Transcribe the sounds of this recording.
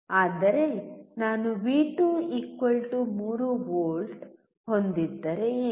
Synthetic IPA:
aːd̪ɐɾe̞naːnuʋiːʈuikːɐɭʈumuːɾuʋoːlʈ | hond̪id̪ːɐɾe

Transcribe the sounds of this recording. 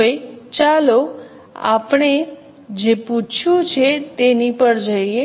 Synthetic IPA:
et͡ʃalo | a̰pɽ̃e | d͡ʒeput͡ʃʰũt͡ʃʰet̪enipəɾd͡ʒəie

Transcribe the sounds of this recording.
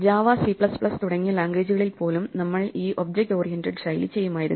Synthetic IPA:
d͡ʑaːʋaːsipɭɐspɭɐst̪uɽɐŋːɐlaːŋɡe̞ːd͡ʑuɣɐɭilpo̞ːlumnɐmːɐɭiːʔobd͡ʑek̚ʈo̞ːrijentɐɖsɐjlit͡ɕe̞jːumaːjiɾun

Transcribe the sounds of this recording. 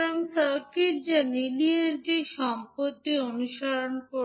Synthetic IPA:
ɾoŋsaɾkiɾd͡ʑanilieʈiʃɔmpot̪ːionuʃaɾonko

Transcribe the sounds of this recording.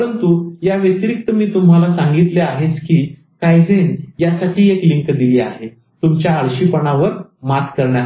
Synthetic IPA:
pɾənt̪ujaʋet̪ɾik̚t̪əmiːt̪um̤alasãŋɡit̪leaɦet͡skiː | kajd͡zenjasaʈʰiːekliŋkd̪iliːa̰ɦe | t̪umt͡ɕjaːɭɕipəɳaʋəɾmat̪kəɾɳja

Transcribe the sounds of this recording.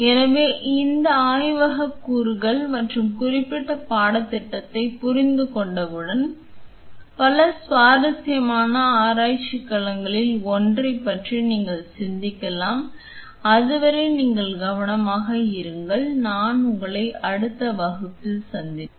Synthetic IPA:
ɛnɐʋeːʔɪnd̪ɐaːjʋɐɣɐkːuːɾɣɐɭmɐʈrɯmkʊrɪpːɪʈːɐpaːɽɐt̪ːɪʈːɐt̪ːɐɪpʊɾɪnd̪ɯkɔɳɖɐʋɯɽɐn | pɐlɐsʋaːɾɐt̪ːɐjɐmaːnɐaːɾaːjt͡ʃːɪkːɐɭɐŋɡɐɭɪlɔndrɐɪpːɐʈriniːŋɡɐɭsɪnd̪ɪkːɐlaːm | ɐðɯʋɐɾɐɪniːŋɡɐɭɡɐʋɐnɐmaːɣɐɪɾɯŋɡɐɭnaːnʊŋɡɐɭɐɪʔɐɽɯt̪ːɐʋɐɣɯkːɯsɐnd̪ɪ

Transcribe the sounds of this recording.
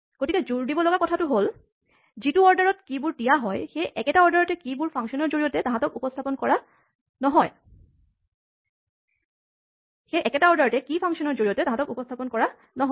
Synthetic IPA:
ɡ̥otikɛzuɹdibɔlɔɡakɔtʰatʊɦol | zituɔɹdaɹɔtkibuɹdijaɦɔjxejʔɛkɛtaɔɹdaɹɔtɛkibuɹpʰãŋsɔnɔɹzoɹiɔtɛtãɦãtɔkupɔstʰapɔnkɔɹa | nɔɦɔj | xejʔɛkɛtaɔɹdaɹɔtɛkipʰãŋsɔnɔɹzoɹijɔtɛtaɦãtɔkupɔstʰapɔnkɔɹa | nɔɦɔ

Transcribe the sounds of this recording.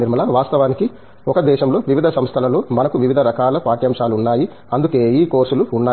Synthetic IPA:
iɾmɐlɐʋaːst̪ɐʋaːniki | ɔkɐd̪ɛːʃɐmlo̞ːʋiʋid̪ʱɐsɐmst̪ʰɐlɐlo̞ːmɐnɐkuʋiʋid̪ʱɐɾɐkaːlɐpaːʈjɐːmʂaːluunːaːji | ɐnd̪uke̞ːiːko̞ːɾsuluunːaː

